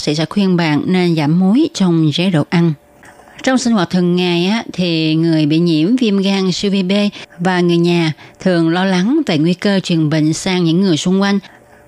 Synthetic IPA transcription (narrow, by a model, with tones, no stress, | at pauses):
sɛ̰˧˥sɛ̰˧˥xwi˧ənɓa̰ː˧˨nne˧nzaː˧˩mːu˨˦jt͡ɕɔ˧wŋ͡mzeː˨˦ɗo̰˧˨ʔa˧n | t͡ɕɔ˧wŋ͡msi˧ŋ̟hwaː˨˩t̚t̪ʰɨ˨˩əŋːaː˨˩jʔaː˨˦t̪ʰi˨˩ŋɨ˨˩əjɓḭ˧˨ɲḭ˧˥əmvi˧əmɣaː˧ŋsi˧wvi˧ɓe˧vaː˨˩ŋɨ˨˩əjɲaː˨˩t̪ʰɨ˨˩əŋlɔ˧la˨˦ŋve˨˩ŋwi˧kəː˧t͡ɕwi˨˩ənɓḭ̈˧˨ŋ̟saː˧ŋɲɨ̰˧˥ŋːɨ˨˩əjsʊ˧ŋ͡mkwa˧jŋ̟